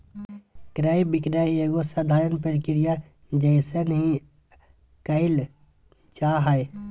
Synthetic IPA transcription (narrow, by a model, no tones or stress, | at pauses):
kɾaːibɪkɾaːjeːɡosəd̪ʱaːɾənpəɾkɪɾijã | d͡ʒəɪsenəɦĩ | kəɪl | t͡ʃaːɦae